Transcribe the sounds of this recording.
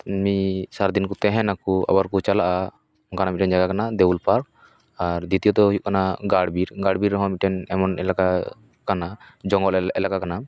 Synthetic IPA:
misaɾd̪inkut̪ɛɦɛ̃nakua̰baɾkut͡ʃalaʔa | kanamiʈɛnd͡ʒaɡakanad̪ɛwulpaɾk̚ | aɾd̪it̪ijɔt̪ɔujuʔkanaɡaɽbiɾɡaɽbiɾːɔɦɔ̃miʈɛnɛmɔnɛlaka | kanad͡ʒɔŋɡɔlɛlakakana

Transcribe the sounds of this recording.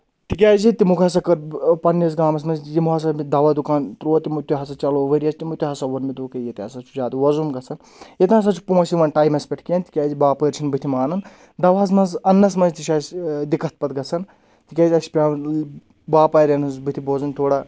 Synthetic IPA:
t̪ikʲaːzit̪imukʰɦɐs̬ɐkɐɾpɐnːɐs̬ɡaːmɐs̬mɐnzʲjimukɐs̬amid̪ɐʋad̪ukaːnt̪ɾoːt̪imut̪ʲuɦɐs̬at͡ʃɐloːʋɐɾʲiɐsʰʲt̪imut̪ʲuɦɐsɐʋɐnmid̪uːkɐjɐt̪iɦɐsat͡ʃʰuzʲaːd̪ɐʋɐzunɡɐt͡sʰɐn | jɐt̪ĩɦɐs̬at͡ʃʰu̥põːsiʋɐnʈaːjmɐspʲeʈʰkiɐnt̪i̥kʲaːzibaːpəːɾt͡ʃʰinbɨt̪ʰimaːnɐn | d̪ɐʋaɐs̬mɐnzɐnːɐsmɐnzt̪iʃaːsd̪ikɐt̪̚ʰpɐt̪̚ɡɐt͡sʰɐn | t̪ikʲaːzʲiɐsi̥pʲaː | baːpaːɾʲɐnɐzbɨt̪ʰiboːzɐnʲt̪ʰoːɽa

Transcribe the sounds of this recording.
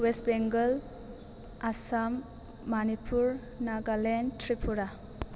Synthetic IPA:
westbeŋɡɐl | asamː | anipʰuɾ | naɡalentɾipʰuɾa

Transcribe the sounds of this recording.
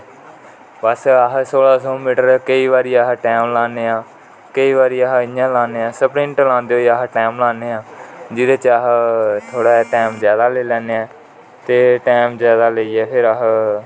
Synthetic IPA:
bəsɦsoːlaːsoːmiːʈəɾkəiːʋaːɾiːaɦʈɛːmlaːneːãː | kəiːʋaːɾiːəɦɪãːlãːneːãːsəpɾɪ̃ɳʈlãːnd̪eːɦoːaɦʈɛːmlaːneːãːd͡ʒɪd̪eːt͡ʃaɦt̪ʰoːɽaːɛːʈɛːmzjaːd̪aːleːlɛːneːɛː | t̪eːʈɛːmzjaːd̪aːləiːɛːpʰɪɾəɦ

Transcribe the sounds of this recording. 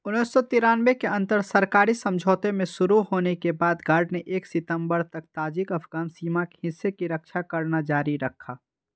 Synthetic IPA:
ʊnːisːɔt̪ɪɾaːnʋekeɐ̃nt̪əɾsɐɾkaːɾisɐ̃md͡ʒʱoːt̪emẽʃʊɾuɦoːnekebaːd̪ɡaːɾɖneʔeːksɪt̪ə̃mbəɾt̪ɐk̚t̪aːd͡ʒikɐpʰɡaːnsiːmake̥ɦɪsːekiɾɐkʃʰakɐɾnad͡ʒaːɾiɾɐkʰːaː

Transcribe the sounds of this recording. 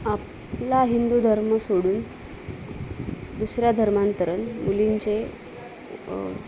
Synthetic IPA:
ap | laɦind̪ud̪ʱəɾməsoɽuːn | d̪usɾjad̪ʱəɾmant̪əɾənmuliɲt͡ɕe

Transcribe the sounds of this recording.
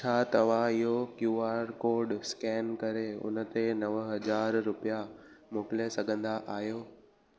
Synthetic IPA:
t͡ɕʰaːt̪ɐʋ̤ãɪɦokjuːaːɾkoːɾɖskɛːnkɐɾeʊ̰nə̆t̪enɐʋəɦɐzaːɾːʊpijamoːkɪlesɐɡʱə̃nd̪aʔaːɦijoː

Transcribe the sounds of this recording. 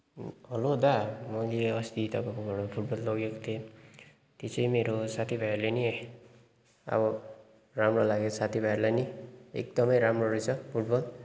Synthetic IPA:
ɦʌlod̪amʌjleʌst̪it̪ʌkokoɡʱʌɽopʰuʈ̚bʌlːʌɡekot̪ʰie | t̪it͡sʌjmeɾosat̪ʰibʱajeɾleni | ʌ̰bʌ | ramrolaɡesat̪ʰibʱajeɾlajniḛk̚d̪ʌmʌjɾamroɾujt͡sʰʌpʰuʈ̚bʌl

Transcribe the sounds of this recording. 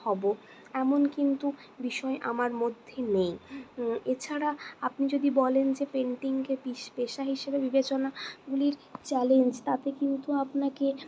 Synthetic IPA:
ɔbo | ɛmonkint̪u | biʃɔeʔamaɾmod̪ʱːenej | et͡ɕʰaɾaapnid͡ʑod̪ibɔlend͡ʑepeɳʈiŋkebiʃpeʃaɦiʃebebibet͡ɕonaɡuliɾt͡ɕɛlend͡ʑt̪at̪ekint̪uapnake

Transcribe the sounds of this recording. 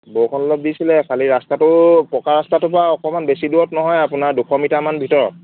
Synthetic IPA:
bokʰɔnɔlɔb̚disilɛkʰaliɹastatʊpɹɔkaɹastatʊpʊɹaɔkɔmanbesiduwɔtnɔɦɔjapunaɹdukʰɔmitamanbʱitɔɹɔ̰t̚

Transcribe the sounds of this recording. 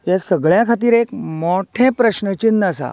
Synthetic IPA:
jjasəɡɭjãkʰat̪̬iːɾekmoʈʰẽpɾəɕnət͡ɕinːəsa̰

